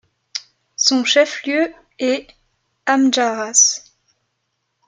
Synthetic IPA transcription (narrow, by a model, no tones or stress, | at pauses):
sɔ̃ʃɛfljø | ɛ | amʒaʁas